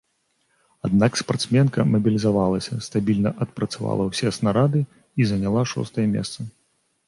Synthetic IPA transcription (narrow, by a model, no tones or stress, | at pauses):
ad̪nakspart̪smʲɛnkɐmɐbʲilʲizavalˠɐsʲɐst̪abʲilʲnɐʔɐt̪̚pɾɐt̪sava̰lˠɐwsʲɛsnaɾad̪ɨ | izɐnʲalˠaʂɔ̰st̪ɐjɐmʲɛ̰st̪sɐ